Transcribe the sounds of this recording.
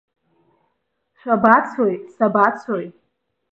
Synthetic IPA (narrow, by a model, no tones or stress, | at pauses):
ʃʷᶣabat͡sʰojsabat͡sʰoj